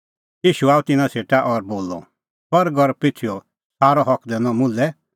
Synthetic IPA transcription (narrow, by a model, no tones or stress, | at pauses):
jiːʃuaːut̪ɪnãsʰeːʈaʔɔɾboːlɔ̰ | pɐɾɡɔɾpɪt͡sʰiɔ | saːɾɔɦɔkʰd̪ɛnɔ̃mʊlɛ